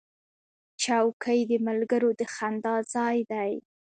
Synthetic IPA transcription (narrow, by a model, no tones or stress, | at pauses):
t͡ʃawkʰəjd̪əmalɡəɾod̪əxand̪ɑzɑjd̪aj